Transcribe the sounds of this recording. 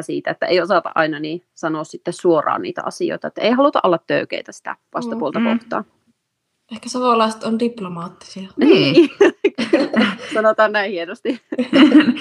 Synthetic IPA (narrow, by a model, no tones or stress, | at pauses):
siːt̪æet̪ːæeiosɑˑt̪ɑ̰ʔʔɑinɑniːsɑnoːssit̪ːessuorˑɑ̰ːnnḭːt̪æ̰ʔɑ̰sio̰ˑit̪ɑet̪ːæeihɑlut̪ɑ̰ʔolːɑt̪tøykḛit̪æsi̥t̪æ̰ʋɑst̪ɑpuolt̪ɑkoht̪ɑ̰ː | ehkæsɑʋolɑˑist̪ondiplomɑːt̪ːi̥siɑniː | sɑnot̪ɑːnnæĩhienost̪i